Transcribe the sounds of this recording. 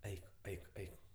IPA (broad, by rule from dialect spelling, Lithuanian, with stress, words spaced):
ˈɛɪk ˈɛɪk ˈɛɪk